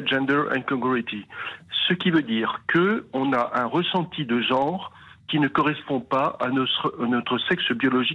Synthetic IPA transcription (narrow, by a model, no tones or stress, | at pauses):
ʒɛ̃nd̪ɛʁɛ̰̃kɔ̃ɡuʁit̪isəkʲivød̪iːʁkəɔ̃naʔɛ̃ʁəsɑ̃t̪id̪əʒɑ̃ʁ | kʲinəkɔʁɛspɔ̃paa̰nɔt̪χnɔt̪χəsɛksbjɔlɔʒi